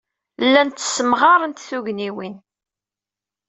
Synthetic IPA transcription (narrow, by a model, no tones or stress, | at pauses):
lːænt̪ːə̥sːəmʁɑɾˤənt̪θuʝniwin